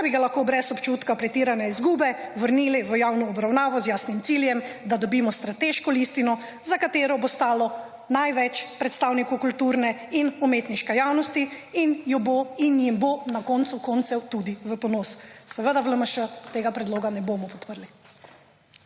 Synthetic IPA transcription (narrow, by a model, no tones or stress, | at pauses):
biɡalaxkoːbɾɛsɔpt͡ʃut̪kapɾɛt̪iɾanɛizɡuːbɛʋəɾniːliʋəjawnɔːbɾawnaːʋɔzjaːsnimt̪siljɛmd̪ad̪ɔbiːmɔst̪ɾat̪eʃkɔlist̪inɔ | zakat̪eːɾɔbost̪aːlɔ | najʋɛt͡ʃpɾɛt̪st̪aːwnikukult̪uːɾnɛinɔmeːt̪niʃkɛjawnɔst̪iinjɔboinjimbonakɔnt̪sukɔnt̪sɛwt̪ud̪iʋəpɔnoːssɛʋəd̪aʋləməʃət̪eːɡapɾɛd̪loːɡanɛbomɔpɔ̥t̪pəɾli